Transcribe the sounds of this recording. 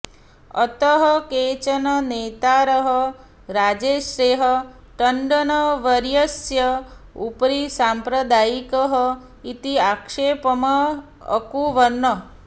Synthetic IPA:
ə̰t̪əɦɔket͡ʃənənet̪aɾəɦɔ | ɾad͡ʒeʃɾeɦɔ | ʈəɳɖənɔʋəɾjəsjəupɾisampɾəd̪ajikəɦɔ | it̪iakʂepəma̰ː | kuʋənːə

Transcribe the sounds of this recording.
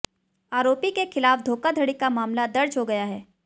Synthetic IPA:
aːɾoːpikexɪlaːfd̪ʱoːkad̪ʱɐɽikamaːmlad̪ɐɾd͡ʒɦoɡɐjaɦɛː

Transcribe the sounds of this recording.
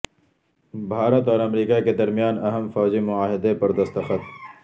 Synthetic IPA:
bʱaːɾət̪ɔːɾɐmɾiːkaked̪ɐɾmijaːnɐɦəmfɔːd͡ʒimʊaːɦɪd̪epɐɾd̪ɐst̪əxət̪

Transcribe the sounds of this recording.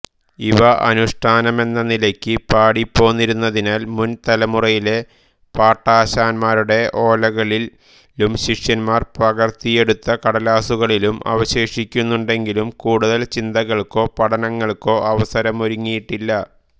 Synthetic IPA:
iʋɐʔɐ̰nuʂʈʰaːnɐme̞nːɐnilɐkʲːɨpaːɽipːo̞ːnːiɾunːɐðinaːlmunt̪ɐlɐmurɐjile̞ | paːʈːaːɕaːnmaːɾuɽe̞ʔo̞ːlɐɣɐɭi | lumɕikʂjɐnmaːrprɐɣɐrt̪ije̞ɽut̪ːɐkɐɽɐlaːsuɣɐɭilumɐ̰ʋɐɕe̞ːʂikʲːunːuɳɖe̞ŋɡilumkuːɽuðɐlt͡ɕind̪ɐɣɐɭko̞ːpɐɽɐnɐŋːɐɭko̞ːɐʋɐsɐɾɐmo̞ɾuŋːijiʈːilːɐ

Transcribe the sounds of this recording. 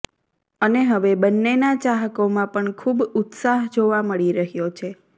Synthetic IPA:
əneɦəʋebənːenat͡ʃaɦəkomãpəɳkʰubʊt̪saɦd͡ʒoʋaməɭiɾəɦjot͡ʃʰe

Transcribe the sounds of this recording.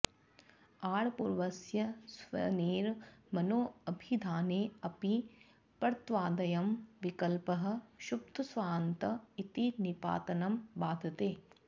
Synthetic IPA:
aːɽpuːɾʋɐsjɐsʋɐ̰niːɾmɐnoːɐbʱid̪ʱaːneːɐpi | pɐɾt̪ʋaːd̪ɐjɐmʋikɐlpɐɦɐ̆ʃup̚t̪ʰusʋaːnt̪ɐit̪inipa̰ːt̪ɐnɐmbaːd̪ʱɐt̪eː

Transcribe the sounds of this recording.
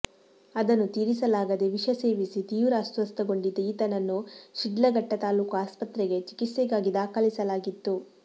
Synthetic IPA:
ɐd̪ɐnːut̪iːɾisɐlaːɡɐd̪eʋiʂɐse̞ːʋisit̪iːʋɾaːsɐst̪ɐɡo̞ɳɖid̪ːɐiːt̪ɐnɐnːuʃiɖlɐɡɐʈːɐt̪aːluːkuaːspɐt̪ɾeɡe̞t͡ʃi̥kit̪sɛɡaːɡid̪aːkalisɐlaːɡit̪ːu

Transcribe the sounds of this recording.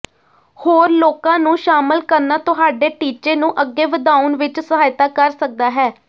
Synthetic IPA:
hoːɾloːkãːnũːʃaːməlkəɾnaːt̪ʊɦaːɖeːʈiːt͡ʃeːnũːʔəɡːeːʋəd̪aːʊnʋɪt͡ʃsəɦaːjt̪aːkəɾsək̚d̪aːɦɛː

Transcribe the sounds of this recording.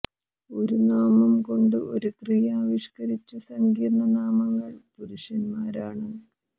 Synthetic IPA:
o̞ɾunaːmɐmko̞ɳɖɨʔo̞̰ɾukrijaːʋiʂkɐɾit͡ɕːɐsɐŋɡiːd̪nɐnaːmɐɣɐɭpuɾuɕjɐnmaːɾaːɳɨ

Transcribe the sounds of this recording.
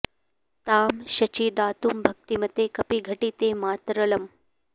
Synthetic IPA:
t̪aːmʃɐt͡ʃiːd̪aːt̪uːmbʱɐk̚t̪imɐt̪eːkɐpiɡʱɐʈiːt̪eːmaːt̪ɾɐlɐm

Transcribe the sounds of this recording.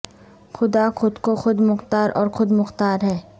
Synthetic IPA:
xʊd̪axʊd̪koxʊd̪mʊxt̪aːɾʔɔːɾxʊd̪mʊxt̪aːɾɦɛː

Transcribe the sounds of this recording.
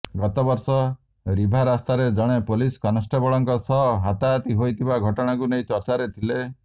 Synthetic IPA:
ɡɔt̪ɔbɔɾsɔ | ɾibʱaɾast̪aɾed͡ʒɔɽ̃epoliskanɔsʈʰɔbɔɭɔŋkɔsɔɦat̪aːt̪iɦojt̪ʰibaɡʱɔʈɔɽ̃akunejt͡ʃɔɾt͡ʃaɾet̪ʰile

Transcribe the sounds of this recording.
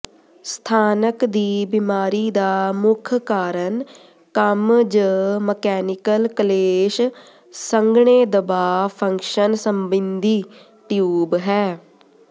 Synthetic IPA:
st̪ʰaːnəkd̪iːbɪmaːɾiːd̪aːmʊkʰkaːɾən | kəmd͡ʒəməkɛːnɪkəlkəleːʃ | səŋɡɳeːd̪əbaːpʰə̃ŋkʃənsəmbɪnd̪iː | ʈjuːbɦɛː

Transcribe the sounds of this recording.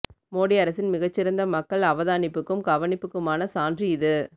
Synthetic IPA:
moːɽiɐɾɐsɪnmɪɣɐt͡ʃːɪɾɐnd̪ɐmɐkːɐɭɐʋɐðaːnɪpːɯkːɯmɡɐʋɐnɪpːɯkːɯmaːnɐsaːndriɪðɯ

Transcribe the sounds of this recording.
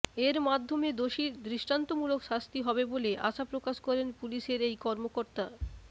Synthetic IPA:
eɾmad̪ʱːomed̪oʃid̪ɾiʃʈant̪omulokʃast̪iɦɔbeboleʔa̰ʃapɾokaʃkɔɾenpuliʃeɾejkɔɾmokoɾt̪a

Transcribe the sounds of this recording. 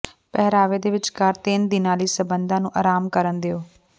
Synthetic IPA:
pɛɦɾaːʋeːd̪eːʋɪt͡ʃkaɾt̪ɪnd̪ɪnãːliːsəbənd̪ãːnũːʔaːɾaːmkəɾənd̪eːoː

